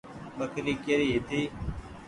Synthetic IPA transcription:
məkʰɾiːkeɾiːɦɪt̪ʰiː

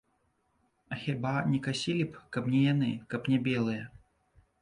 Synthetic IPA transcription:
ɐxʲabanʲɛkasʲilʲipkɐpnʲɛjanɨkɐpnʲɛbʲɛlˠɨjɐ

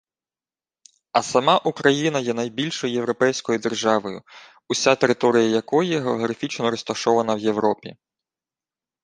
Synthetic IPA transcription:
ɐsɐmɑʔukɾɐjinɐjɛnɐjbʲilʲʃɔjʊjeʋɾɔpɛjsʲkɔjʊd̪e̞rʒɑʋɔjʊ | ʊsʲat̪e̞ɾɪt̪ɔɾʲɪjɐjɐkɔjɛɦeɔɦɾɐfʲit͡ʃnɔɾɔst̪ɐʃɔʋɐnɐwje̞ʋɾɔpʲi

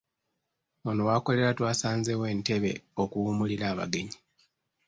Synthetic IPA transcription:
onowaːko̞le̞ɾatwaːsaːnzewe̞ːnte̞βe̞̰o̞kuumuliɾaːβa̰ɡe̞ɲi

